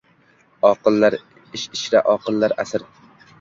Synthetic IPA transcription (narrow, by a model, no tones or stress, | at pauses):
ɒqɨlˠːaɾ | ɪʃɪʃɾaʔɒqɨlˠːaɾa̰sɪɾ